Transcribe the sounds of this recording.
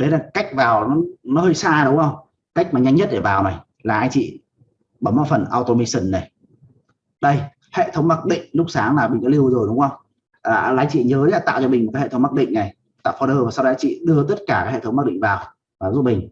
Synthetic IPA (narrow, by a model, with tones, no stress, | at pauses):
ɗə˨˦laː˨˩ka˦˥jk̚vaː˨˩wnɔ˨˦nɔ˨˦həː˧jsaː˧ɗə˨˦wŋ͡mxə˧wŋ͡m | ka˦˥jk̚maː˨˩ɲa˧jŋɲə˦˥t̚ɗe˧˩vaː˨˩wna˨˩j | laː˨˩ʔa˧jŋ̟t͡ɕḭ˧˨ | ɓə˨˦mʔa˨˧˩fə˨˩nʔaː˧wt̪o˧mi˧sə˧˩nːa˨˩j | ɗə˧j | hḛ˧˨t̪ʰə˨˦wŋ͡mma˦˥t̚ɗḭ̈˧˨ŋ̟lʊ˦˥k͡p̚saː˨˦ŋmaː˨˩ɓï̟˨˩kɔ˨˦li˧əwzo˨˩jɗʊ˨˦ŋ͡mʔə˧wŋ͡m | aː˨˩˨laː˨˦jt͡ɕḭ˧˨ɲəː˨˦jaː˨˩t̪a̰ː˧˨wt͡ɕɔ˧ɓï˨˩ŋm̚˨˩ka˨˦hḛ˧˩ə˦ŋ͡mma˦˥ɗḭ̈˧˨ŋ̟na˨˩j | t̪a̰ː˧˨fɔ˧ɗəː˧vaː˨˩sa˧wɗɔ˨˦jt͡ɕḭ˧˨ɗɨ˧ət̪ə˦˥t̚kaː˧˩kaː˨˦jhḛ˧˨˩ə˦wŋ͡mm̚˦˥ɗḭ˧˨ŋ̟vaː˨˩w | vaː˨˩zu˦˥t̚ɓï˨˩ŋ̟